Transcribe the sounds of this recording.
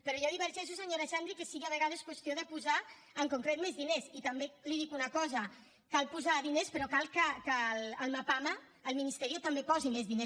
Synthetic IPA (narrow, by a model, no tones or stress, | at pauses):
pəɾɔʒaðiβəɾʒɛʃ̬usaɲoɾeʃand̪ɾikesiɣeəβəɣað̞eskwəst̪ioðəpuza | əŋkuŋkɾet̪mezðinesit̪ambeliðikunakɔza | kalpuzaðinespəɾɔkalˠkəkaləlˠmapamaː | lminist̪ɛɾiot̪ambepɔzimezðines